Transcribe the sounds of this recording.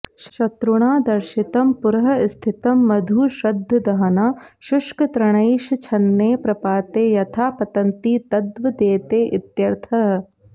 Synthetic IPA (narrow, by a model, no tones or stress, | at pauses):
ʃɐt̪ɾuɽ̃aːd̪ɐɾʃit̪ɐmpuɾɦɐst̪ʰit̪ɐmːɐd̪ʱuːʃɐd̪ʱːɐd̪ɐɦɐnɐʃʊʃkɐt̪ɾɐɽ̃ɐjʃɐt͡ʃʰɐnːeːpɾɐpaːt̪eːjɐt̪ʰaːpɐt̪ɐnt̪iːt̪ɐd̪ʋɐd̪eːt̪eːʔɪt̪jɐɾt̪ʰɐɦɐ